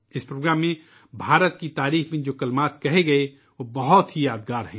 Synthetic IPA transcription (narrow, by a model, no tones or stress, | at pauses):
ɪspɾoːɡɾaːmːẽ | bʱaːɾət̪kit̪aːɾiːxmẽd͡ʒoːkɐlmaːt̪kɐɦeɡɐe | ʋobɐɦʊt̪ɦijaːd̪ɡaːɾɦɛ̰̃ː